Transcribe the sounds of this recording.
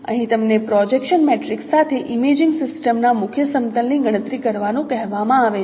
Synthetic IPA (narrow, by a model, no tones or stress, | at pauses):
ə̰ɦĩt̪əmnepɾɔd͡ʒekʃənmeʈɾiksːat̪ʰeʔimed͡ʒɪŋɡsɪsʈəmnamʊkʰjəsəmt̪əlniɡəɽ̃ət̪ɾikəɾʋanũkɛɦʋamãaʋe